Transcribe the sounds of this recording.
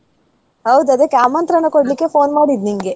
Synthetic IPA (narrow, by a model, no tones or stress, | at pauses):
hɐwd̪uɐd̪ekaːmɐnt̪ɾɐnːɐkɔɽlikːe̞foːnmaːɽid̪niŋɡe